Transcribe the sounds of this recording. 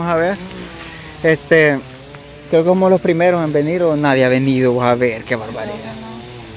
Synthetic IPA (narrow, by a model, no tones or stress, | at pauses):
osaβeɾ | est̪e | kɾeokekomolospɾime̞ɾosembeniɾonaðjeaβeniðoβosaβe̞ɾkeβaɾβaɾiða